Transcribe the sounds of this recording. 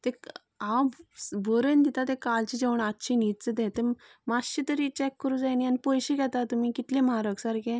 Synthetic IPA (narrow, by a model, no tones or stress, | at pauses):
t̪ẽk | abʱəɾənd̪it̪at̪ẽkalt͡ɕid͡ʑeʋɳatːɕʰinit̪̚t͡səd̪ẽt̪e | maɕit̪əɾit͡ɕɛkːəɾũd͡zajnijanipojɕikɛt̪at̪umikit̪lẽmaɾəksaɾkẽ